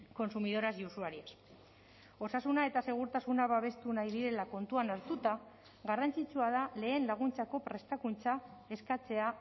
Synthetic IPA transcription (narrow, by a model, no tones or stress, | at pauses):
ko̞nsumiðo̞ɾazusuaɾias | o̞sasunae̞t̪ase̞ɣ̞uɾt̪asunaβaβ̞e̞st̪unajðiɾe̞lako̞nt̪uanaɾt̪ut̪a | ɣarant͡sit͡suað̞ale̞ːnlaɣ̞unt͡sako̞pɾe̞st̪akunt͡sae̞skat͡se̞a